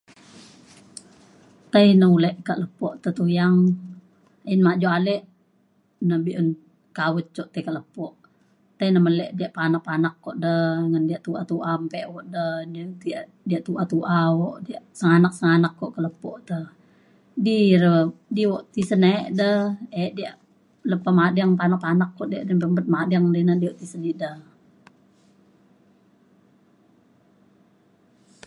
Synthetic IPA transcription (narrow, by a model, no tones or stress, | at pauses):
t̪ainəulɛʔkaʔləpɔʔt̪ət̪ujaŋ | inmaʔd͡ʒoʔalɛʔ | nəbiʔən | kawət͡ʃɔʔt̪əikaʔləpɔʔ | t̪ainəməlɛʔdiaʔpanaʔpanakːɔʔdəŋəndiaʔt̪uat̪uʔampɛʔwɔʔdənət̪iaʔ | diaʔt̪uʔat̪uʔawɔʔdiaʔsəŋanak̚səŋanakːɔʔkələpɔʔt̪ə | diɾədiwɔʔt̪isəneʔdəeʔdiaʔ | ləpamadaŋpanapanakːɔʔdiaʔdənpəmbət̪̚madaŋdinadiwoʔt̪isənidəh